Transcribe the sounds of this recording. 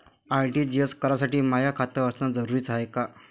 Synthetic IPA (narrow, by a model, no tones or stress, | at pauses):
ajʈiːd͡ʑiəskəɾasaʈiːmajakʰat̪əəsnad͡zəɾuɾiːt͡saeka